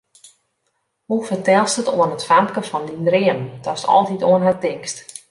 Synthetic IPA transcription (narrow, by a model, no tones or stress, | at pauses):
hufərtɛlˠstətoənətfamkəfɔndindrɪəmtʰɔstɔ̰lˠtitoənɦatɪŋst